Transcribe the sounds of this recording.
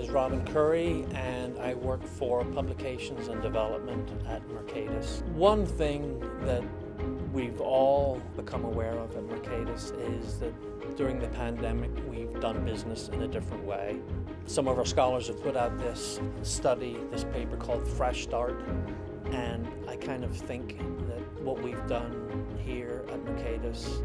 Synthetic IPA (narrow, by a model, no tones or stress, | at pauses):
ɨzɹɑb̃n̩kʰɜ˞iɨ̃naɪwɜ˞kfə˞pʰʌbləkʰeɪʃɨ̃n̩zə̃ndɨvɛlˠə̰p̚mə̃ntɨt̚mə˞kʰeɪɾɨswʌ̃nθɪ̃ŋðɨt̚ | wivɔlˠ | b̥ɨkʰʌ̃məwɛɹʌvɨt̚mə˞kʰeɪɾɨs | ɪzðɨt̚ | d̥ʊɹɪ̃ŋðɨpʰæ̃ndɛmɨkwivdʌ̃nbɪznɨsɨ̃nɨdɪfɹə̃nʔwḛɪ | sʌ̃mʌvə˞skɑlˠə˞z̥ɨv̥pʰʊɾaʊt̪̚ðɪs | tʌɾi | ðɪspʰeɪpə˞kʰɔlˠd̥fɹɛʃstɑɹɾ | ɨ̃n | aɪkʰãɪ̃ndʌv̥θɪ̃ŋkðɨt̚wʌʔ̚wivdʌ̃n | hiɹət̚mə˞kʰeɪɾɨs